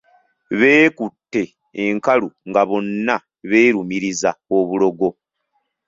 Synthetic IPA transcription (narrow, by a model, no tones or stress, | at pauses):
βe̞ːkutːe̞ː | ŋkaluŋɡaβo̞nːa | βeːɾumiɾizaoβulo̞ɡo̞